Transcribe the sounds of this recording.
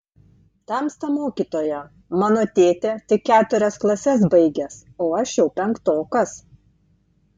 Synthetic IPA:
t̪ɐmst̪ɐmoːkʲiːt̪oːjɛ | mɑːnoːt̪ʲeːt̪ʲeːt̪ʲɪkʲːæːt̪ʊɾʲɛsklˠɐsʲɛsbɐɪɡʲɛs | oːɐʃjɛʊpʲɛŋkt̪oːkɐs

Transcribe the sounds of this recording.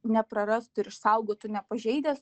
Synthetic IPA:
nʲɛpɾɐɾɐst̪ʊɪɾɪʃsɐʊɡoːt̪ʊnʲɛpɐʒʲɛɪd̪ʲeːs

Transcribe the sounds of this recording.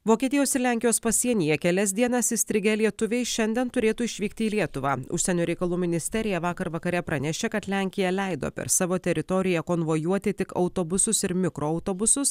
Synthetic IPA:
ʋoːkʲiɛt̪ʲɪjoːsɪɾlʲæˑŋʲkʲɪjoːspɐsʲiɛnʲɪjɛkʲɛlʲɛs̬ʲd̪ʲiɛnɐsɪsʲt̪ʲɾʲɪɡʲɛlʲiɛt̪ʊʋʲɛɪʃʲɛnʲd̪ʲɛnt̪ʊɾʲeːt̪uːɪʃʲʋʲiːk̚t̪ʲɪiːlʲiɛt̪ʊʋɑ̰ːʊ̰ʃʲsʲɛnʲuːɾʲɛɪkɐlˠuːmʲɪnʲɪsʲt̪ʲɛɾʲɪjɛʋɑːkɐɾʋɐkɐɾʲɛpɾɐnʲɛʃʲeːkɐt̪lʲæˑŋʲkʲɪjɛlʲɛɪd̪o̰ːpʲɛ̰ɾsɑːʋoːt̪ʲɛɾʲɪt̪ɔɾʲɪjɛkoːnʋojuɔt̪ʲɪt̪ʲɪkɐ̰ʊt̪oːbʊsʊsɪɾmʲɪkɾoːɐʊt̪oːbʊsʊs

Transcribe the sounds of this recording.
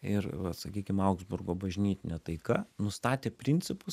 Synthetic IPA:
ɪɾʋɐsɐkʲiːkʲɪmɐʊɡzbʊrɡoːbɐʒʲnʲiːt̪ʲɪnʲɛt̪ɐɪkɐnʊst̪ɑːt̪ʲeːpʲɾʲɪnʲsʲɪpʊ

